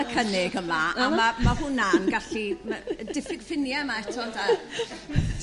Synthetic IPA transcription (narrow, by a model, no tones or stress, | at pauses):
əkʰənɪɡəmlaʔamamahʊnanɡaɬimadɪfɪfɪnjɛmaɛtʰɔnda